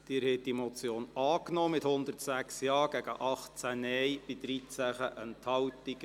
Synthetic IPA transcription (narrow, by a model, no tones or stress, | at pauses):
d̥ɪːɾhɛt̚d̥imɔt͡sjoːnɑːknɔːmɪthʊnd̪ərtsæksjɑːɡ̥æɡ̥əʔɑχt͡sænɛjb̥ɪd̪ɾit͡sæχəʔənthɑwt̪ɪɡ